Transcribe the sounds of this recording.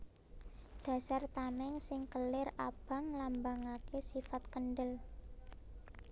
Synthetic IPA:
ɖ̥a̤sart̪amɛŋsɪŋkəlɪrab̥a̤ŋlambaŋakesifat̪̚kənɖəl

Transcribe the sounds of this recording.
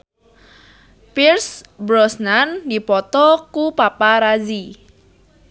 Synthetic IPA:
pirsbɾɔsnandipɔt̪ɔkupapaɾad͡ʒi

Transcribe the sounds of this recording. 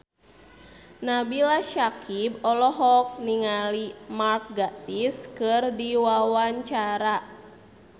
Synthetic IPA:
nabilaʃakʰibɔlɔɦɔk̚niŋalimark̚ɡat̪iskɨrdiwawaɲt͡ʃaɾa

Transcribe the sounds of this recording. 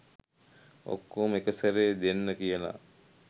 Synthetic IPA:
o̰kːoːmekəsəɾeːd̪enːəkijəla̰

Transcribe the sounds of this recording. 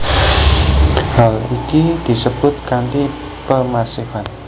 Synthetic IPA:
halikid̪̥i̤səb̥ʊt̪̚kant̪i | pəmasifan

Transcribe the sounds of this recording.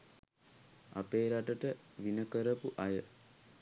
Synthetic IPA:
a̰peːɾaʈəʈəʋinəkəɾəpuʔajə

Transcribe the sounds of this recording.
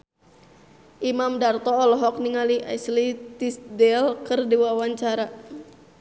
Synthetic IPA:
ʔimamdart̪ɔːlɔɦɔk̚niŋaliʔa̰jslit̪isdɛlkərdiwawaɲt͡ʃaɾa

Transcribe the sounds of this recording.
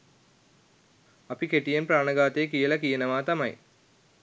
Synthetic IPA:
ɐpikeʈijenpɾaːɳəɡaːt̪ekijəlɐkijenəʋaːt̪ɐmɐ̰j

